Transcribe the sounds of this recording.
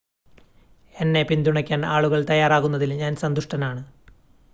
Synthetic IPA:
e̞nːe̞pind̪uɳɐkʲːaːnaːɭuɣɐɭt̪ɐjːaːraːɣunːɐðilɲaːnsɐnd̪uʂʈɐnaːɳɨ

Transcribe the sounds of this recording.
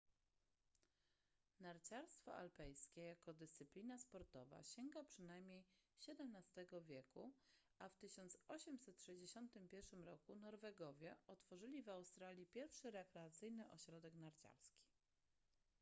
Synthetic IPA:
naɾt͡ɕaɾst̪fɔ̰ʔa̰lpɛjskʲejakɔd̪ɘst̪sɘplʲinaspɔɾt̪ɔva̰ɕɛŋɡapʂɘnajmʲɲejɕɛd̪ɛmnast̪ɛɡɔvʲjɛku | aft̪ɘɕɔnt̪sɔɕɛmsɛt̪ʂɛʑd͡ʑeɕɔnt̪ɘmpʲjɛɾʂɘmɾɔkunɔɾvɛɡɔvʲjɛɔt̪fɔʐɘlʲivawst̪ɾalʲjipʲjɛɾfʂɘɾɛkɾɛat̪sɘjnɘʔɔɕɾɔd̪ɛknaɾt͡ɕa̰ɾskʲi̥

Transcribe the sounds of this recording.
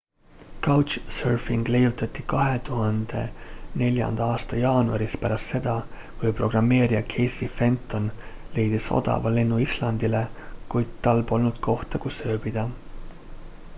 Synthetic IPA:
kɑwt͡ʃsørfiŋɡ̥le̞jut̪ːˑɑt̪ːikɑɦe̞t̪uɦɑnd̪̥e̞ne̞lʲjɑ̰nd̪̥ɑɑːst̪ɑjɑːnuɑɾispæɾɑst̪se̞d̪ɑ | kujpro̞ɡ̥rɑmːe̞ːɾiɑkʰe̞jsife̞nt̪ːˑo̞nle̞jd̪̥iso̞̰d̪̥ɑ̰vɑle̞nːuislɑnd̪̥ile̞kujd̪̥̚t̪ːɑlbo̞lnud̪̥kʰo̞ht̪ɑkusø̞ːb̥id̪̥ɑ

